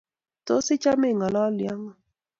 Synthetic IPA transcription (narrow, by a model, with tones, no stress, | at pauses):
to˦sɪ˦t͡ʃa˦mɛ˦˨ŋɔ˨lɔ˦lja˦ŋɔ˨